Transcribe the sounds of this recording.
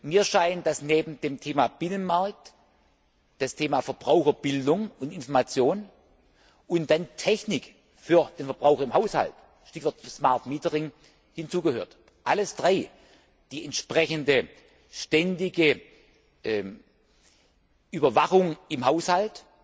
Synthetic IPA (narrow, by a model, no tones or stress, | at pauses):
miːɐʃaɪnənd̥asneːbm̩deːmtʰeːmab̥ɪnənmaɐk̚t | d̥astʰeːmafɛɐb̥ʁaʊxɐb̥ɪldʊŋʊntɪnfɔɐmat͡sjoːn | ʔʊntd̥antʰɛçnɪk | fyːɐd̥eːnfɛɐb̥ʁaʊxɐɪmhaʊsha̰lt | ʃtɪçv̥ɔɐtsmaɐtmiːtəʁɪŋ | hɪnt͡suːɡəhøːɐt | ʔaləsd̥ʁaɪ | d̥iːɛntʃpʁ̥ɛçəndə | ʃtɛndɪɡə | ʔɛ | ʔyːbɐvaχʊŋɪmhaʊshalt